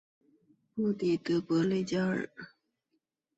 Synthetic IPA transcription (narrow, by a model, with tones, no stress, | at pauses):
mu˥˩t̪i˨˩t̪ɤ˧˥pwɔ˧˥le˥˩ɪt͡ɕja˥ə̰˨˩˦